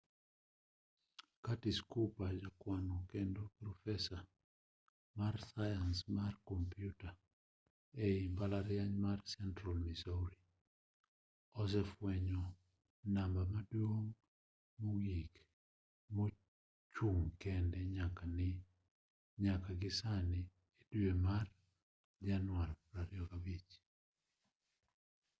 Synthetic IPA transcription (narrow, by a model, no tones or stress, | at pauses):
katiskupad͡ʒakwanɔkendopɾɔfɛsa | marsajansmarkɔmpjuta | ɛimbalaɾjaɲmarsɛntɾɔlmisoɾi | ɔs̬ɛfwɛɲo | nambamadwoŋː | oɡik | mo | t͡ʃuŋkɛndɛɲakanɪ | ɲakaɡɪsani | edwemar | d͡ʒanwalɾaɾɪɔkabit͡ʃ